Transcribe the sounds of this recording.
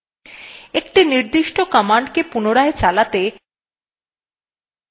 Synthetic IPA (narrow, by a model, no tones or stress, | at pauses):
ekʈiniɾd̪iʃʈokɔmaɳɖkepunoɾaet͡ɕalat̪e